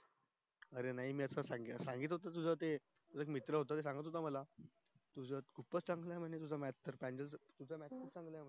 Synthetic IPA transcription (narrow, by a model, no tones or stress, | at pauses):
əɾenaɦimiːəsasãŋɡisãŋɡiːt̪ɦot̪at̪ud͡zʱat̪̬e | t̪ud͡zəekmit̪ɾəɦot̪̬at̪esãŋɡət̪ɦot̪̬aməla | t̪ud͡zət̪kʰupət͡st͡sãŋɡlaɦm̤ənet̪̬ud͡zamat̪ːəɾpãnd͡ʑəlt̪ud͡zəmat̪̚kʰupt͡sãŋɡlamə